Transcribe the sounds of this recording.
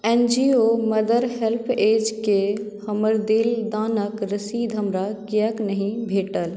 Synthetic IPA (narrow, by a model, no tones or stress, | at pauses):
ɛnd͡ʒioməd̪əɾhelpʰeːd͡ʒke | həməɾd̪ild̪aːnəkɾəsiːd̪ʱɦəmɾakijəknəɦĩbʱeːʈəl